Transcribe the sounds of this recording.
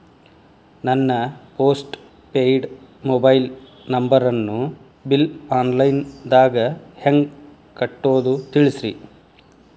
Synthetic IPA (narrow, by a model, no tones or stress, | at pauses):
nɐnːɐpoːsʈ | pejɖmobɐjl | nɐmbɐɾɐnːu | bilaːnlɐjnd̪aːɡɐheŋɡ | kɐʈːoːd̪ut̪iɭisɾḭ